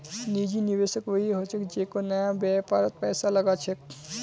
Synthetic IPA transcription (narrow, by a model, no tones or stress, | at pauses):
nid͡ʒinibesəkbəɦiɦot͡ʃʰekd͡ʒekonʌjãbjapaɾʌt̪̚pʌjsalʌɡat͡ʃʰek̚